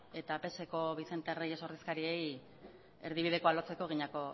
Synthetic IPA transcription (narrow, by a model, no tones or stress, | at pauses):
e̞t̪ape̞se̞ko̞βise̞nt̪erejeso̞ɾðiskaɾie̞j | e̞ɾðiβ̞ið̞e̞ko̞alot͡se̞ko̞ɣ̞iɲako̞